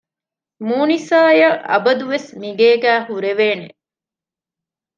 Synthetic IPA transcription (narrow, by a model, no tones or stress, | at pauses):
muːnisaːjɐʔɐ̰bɐd̪uʋesmiɡeːɡæːhuɾeʋeːne